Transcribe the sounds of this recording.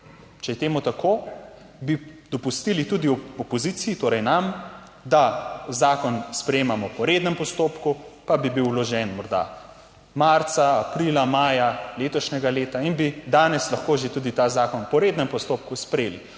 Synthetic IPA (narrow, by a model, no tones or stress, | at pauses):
t͡ʃɛjɛt̪eːmut̪akʰoː | bid̪̥ɔpust̪ilit̪uːd̪iɔpɔziːt̪sijit̪oːɾɛjnam | d̪azaːkɔnspɾɛjeːmamɔpɔɾeːd̪nɛmpɔst̪oːpkupabibiwlɔʒɛnmɔɾd̪a̰ | maɾt̪saːpɾiːlamaːjaleːt̪ɔʃnɛɡaleːt̪ainbid̪aːnɛslɐxkoːʒet̪uːd̪it̪aːzaːkɔnpɔɾeːd̪nɛmpɔst̪oːp̚kuspɾeːli